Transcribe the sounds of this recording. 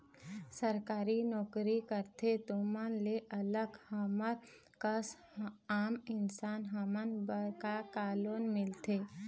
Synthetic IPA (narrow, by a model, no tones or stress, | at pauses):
səɾkaːɾinɔːkɾikəɾt̪ʰet̪omənleʔɐləɡhəmə | kəs | aːmɪnsaːnɦɐmənbəkakaːloːnmɪlt̪eː